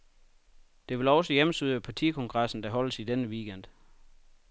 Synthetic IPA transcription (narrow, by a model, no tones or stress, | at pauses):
d̥e̝ʋe̝lɒ̽səjeməsyðˠəpʰɑ̈t͡sʰḭːkʰɔ̽ŋɡ̥ʁɑ̈sn̩d̥æɦɒ̽l̰əsid̥enəʋiːɡ̥en̰d̥